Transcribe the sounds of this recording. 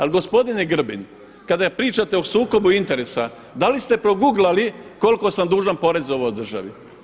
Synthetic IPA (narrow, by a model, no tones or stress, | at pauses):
alɡo̞spo̞d̪injeɡr̩bin | kad̪apɾiːt͡ʃat̪eosuːko̞buint̪e̞ɾe̞sa | d̪alist̪e̞pɾo̞ɡuɡlaliko̞lko̞samd̪uːʒanpo̞ɾe̞zo̞ʋod̪r̩ʒa̰ʋi